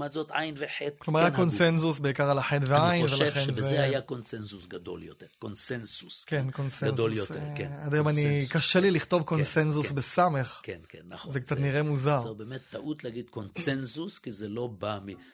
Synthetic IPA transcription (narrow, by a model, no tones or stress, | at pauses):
matzot̪ʔajnveħettklomaʁjakonsensus̬beikaʁalaħet̪veainnvelaevχenzbeezeajakonsensusɡad̪o̰ljot̪eʁkonsensuskenkonseansoljotʁkead̪emanikaʃeliliχt̪ovko̞nsensusbesame̞χkenkenazekt͡sat̪̬niʁemuzabemet̪ːaʔut̪leaɡid̪konsensuskizelo̞bami